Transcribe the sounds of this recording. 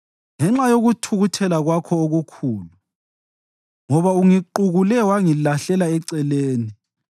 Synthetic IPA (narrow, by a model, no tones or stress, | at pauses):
ŋɛŋ͡ǁajoɣutʰuɣutʰɛlaɣwakʰɔoɣukʰuːlu | ŋɔβauŋiǃuɣulɛwaŋilaɬɛlaɛǀɛleːni